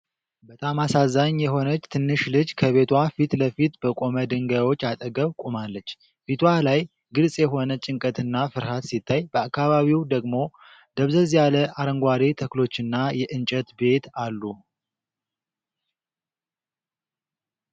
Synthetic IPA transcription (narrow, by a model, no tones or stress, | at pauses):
bət̪ʼamasazaɲjɛɦo̞nət͡ʃːt̪ʰɨnːɨʃlɨd͡ʒkʰəβe̞t̪ʰwafit̪ləfit̪bəkʼo̞məd̪ɨŋɡawo̞t͡ʃːat̪ʼəɡəβkʼumalːət͡ʃː | fit̪ʰwalaj | ɡɨlsʼjɛɦo̞nət͡ʃʼɪŋkʼət̪ɨnːafɨɾhat̪sit̪ʰːajbəakːaβaβiwd̪əɡmo̞ | d̪̥əβzəzjaləʔaɾəŋɡʷaɾit̪ʰəklo̞t͡ʃːɨnːajɛʔɨnt͡ʃʼət̪be̞t̪alːu